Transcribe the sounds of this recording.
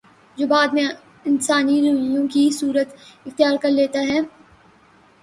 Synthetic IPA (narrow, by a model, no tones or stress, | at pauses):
d͡ʒoːbaːd̪mẽ | ɪnsaːniɾɐʋjõkisuːɾət̪ɪxt̪ijaːɾkɐɾleːt̪aɦɛː